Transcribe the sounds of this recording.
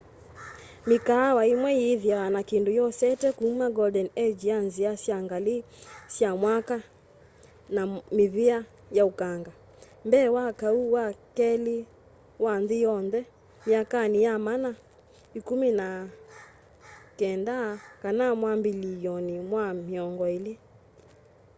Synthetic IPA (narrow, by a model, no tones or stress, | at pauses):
mikaːwaimwɛiðiawanakindujɔsɛtɛkuumaɡɔdɛnɛd͡ʒjanziasjaŋɡali | sjamwaka | namiβia | jaukaŋɡa | mbɛːwakauwakɛli | wanðijɔnðɛ | miakanijamana | ikumina | kɛndakanamwambilijɔnimwamiɔŋɡɔili